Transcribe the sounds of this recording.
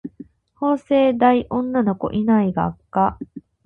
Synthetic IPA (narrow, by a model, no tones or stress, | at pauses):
ho̞ːse̞ːd̪aiʔõ̞nːano̞ko̞̰ʔinaiɡaːkːa